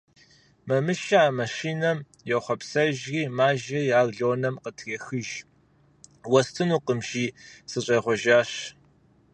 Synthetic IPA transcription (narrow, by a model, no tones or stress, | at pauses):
mɐmɨʃɐaːmɐʃiːnɐm | jɛχʷɔpsɐʒɣiːmaːʒɐjaːɣɮoːnɐmqətʰɣɐxɨʒ | wɐstʰɨnuːqəmʒiːsɨɕʼɐjʁʷɔʒaːɕ